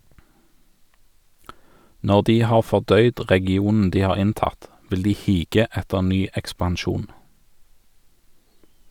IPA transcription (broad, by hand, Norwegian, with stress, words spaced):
ˈnɔʁ ˈdiː ˈhɑːʁ fɔʁˈdœʏd ʁɛɡɪˈuːnn̩ ˈdiː ˈhɑːʁ ˈɪnˌtɑt ˈʋɪl ˈdiː ˈhiːɡə ˈɛtəʁ ˈnyː ɛkspɑnˈʃuːn